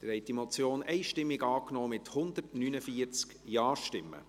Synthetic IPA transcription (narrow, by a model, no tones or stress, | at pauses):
d̥əɾhɛɪtimɔt͡sjoːnɛɪʃtɪmːɪɡɑːknɔːmɪthʊnd̪ərtnynəfiəɾt͡sk | jɑːɾʃtɪmːə̰